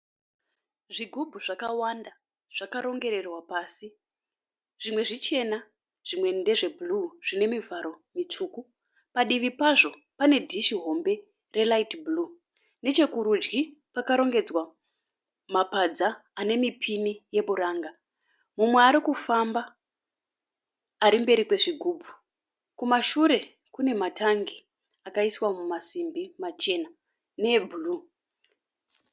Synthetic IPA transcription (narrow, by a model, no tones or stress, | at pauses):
ʐiɡʱubʱuʐakawanda | ʐ̥akaɾo̞ŋɡe̞ɾe̞rwapaːsi | ʐ̥imwe̞ʐit͡ʃe̞na | ʐ̥imwe̞nde̞ʐe̞bʱuluʐ̥ine̞mivaɾo̞mit͡ʂuːku | paɗiʋipaʐo̞ | pane̞dʱiʃiɦo̞mbe̞ | re̞laitbuluː | ne̞t͡ʃe̞kuɾud͡ʒɡipakaɾo̞ŋɡe̞d͡zwa | mapad͡zaːne̞mipʰinije̞ɓuɾaːŋɡa | mumwe̞aɾikufamba | ɾimbe̞ɾikwe̞ʐiɡʱuːbʱu | kumaʃuɾe̞ | kune̞matʰaŋɡi | akaiswamumasimbimat͡ʃe̞na | ne̞bʱuluː